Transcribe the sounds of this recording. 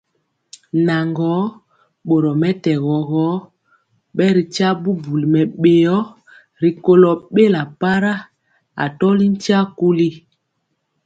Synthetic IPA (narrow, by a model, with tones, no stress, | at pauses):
na˨ŋɡɔ˨˦ | ɓo˨ɾɔ˨mɛ˦tɛ˨ɣɔ˨ɣɔ˨˦ | ɓɛ˦ɾi˨t͡ʃa˦bu˦bu˨li˨mɛ˨ɓe˨jɔ˦ | ɾi˨ko˨lɔ˨ɓe˦la˨pa˦ɾa˦ | a̰˨tɔ˦li˦n˦ta˦ku˦li˦